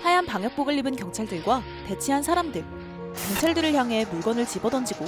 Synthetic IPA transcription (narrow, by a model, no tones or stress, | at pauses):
hajanpaŋjʌk̚p͈oɡɯɭːibɯnkjʌŋt͡ɕʰaɭdɯɭɡwa | te̞t͡ɕʰiɦansʰaɾamdɯɭ | kjʌŋt͡ɕʰaɭdɯɾɯɭçjaŋɦe̞muɭɡwʌnɯɭt͡ɕibʌdʌnd͡ʑiɡo